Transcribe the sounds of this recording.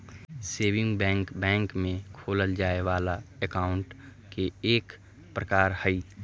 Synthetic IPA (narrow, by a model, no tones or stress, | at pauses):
seːʋɪ̃ŋɡbɛ̃ːŋkbɛ̃ːŋkmẽkʰoːləld͡ʒaːeʋaːlaɛkaːʊ̃ɳʈ | keeːk | pɾəkaːɾhəi